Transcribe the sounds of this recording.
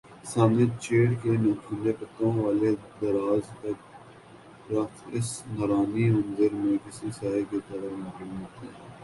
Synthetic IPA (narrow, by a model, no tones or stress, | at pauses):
saːnet͡ʃeːɽkenoːkʰilepɐt̪ːõʋaːled̪ɐɾaːzkɐ | ɾɐtʰɪsnɐɾaːnimɐ̃nd̪əɾmẽkɪsisaːeket̪ɐɾəɾmʊɦɪ̃mːət̪ɦɛː